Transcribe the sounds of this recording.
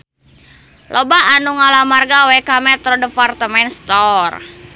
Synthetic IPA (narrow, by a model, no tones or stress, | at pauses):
lʔɔbaanuŋalamarɡawɛkamɛt̪ɾɔdəpart̪əmɛnst̪ɔr